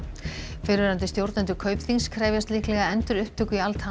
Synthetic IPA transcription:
fɪɾvɪɾant̪ɪst̪jowɾt̪nant̪ʏkʰœɥpθinskʰɾaːjvjast̪lihklɛɣaɛnt̪ʏɾʏhpt̪ʰʏkʏialt̪ha

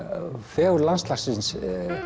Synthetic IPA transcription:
fɛːɣɾlanst̪lasɪns

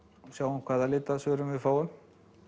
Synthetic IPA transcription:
sjaːwumkʰv̥aːðalɪːt̪aðsvʏːɾʏmvɪðfaːwʏn

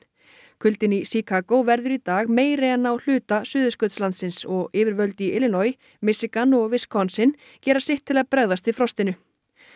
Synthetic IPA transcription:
kʰʏlt̪ɪnisikʰakowvɛɾðʏɾit̪aːɣmeːjɾeanːawl̥ʏːt̪asʏːðʏskœt̪slant̪sɪnsɔɣɪːvɪɾvœlt̪iɪlɪnɔj | mɪsɪkanɔɣvɪskʰɔnsɪn | cɛːɾasɪht̪ʰːɪlaðpɾaɣðast̪ifɾɔst̪ɪnʏ

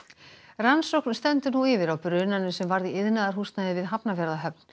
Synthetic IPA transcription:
ransowknst̪ɛnt̪ʏnuɪvɪɾawpɾʏnanʏsɛmvaɾðiɪðnaðaɾhust̪naðɪvɪðɦapnafjɛɾðaɦœp̚n̥

